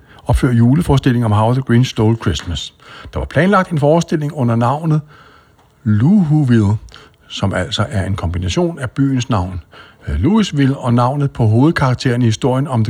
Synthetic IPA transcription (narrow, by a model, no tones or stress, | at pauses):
ɒ̽b̥føɐ̰juːləfɒːsd̥e̝l̰e̝ŋɒ̽mɦɑ̈ʊðəɡ̥ʁiːnsd̥oːlkʰʁesmæsd̥ɑ̈ʋɑ̈pʰlɛːnlɑ̈ɡ̥d̥e̝nfɒːsd̥e̝l̰e̝ŋɔ̽n̰ɐnɑ̈ʊ̰nð̩ˠ | luɦuʋiðˠ | sɒ̽mæl̰sɒ̽ʔæɐe̝nkʰɒ̽mb̥inæɕo̝̰ːnæb̥y̰ːn̩snɑ̈ʊ̰n | luisʋilɒ̽nɑ̈ʊ̰nð̞̩ˠpʰɒ̽ɦo̝ːð̩ˠkʰɑ̈ɡ̥̚t͡sʰe̝̰ːɐnihisd̥o̝ɐ̰jənɒ̽md